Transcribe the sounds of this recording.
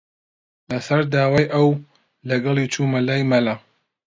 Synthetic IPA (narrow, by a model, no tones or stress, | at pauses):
lɐsɐɾd̪aːwaːjʔɐw | lɐɡɐlˠit͡ʃʰumɐlaːjmɐla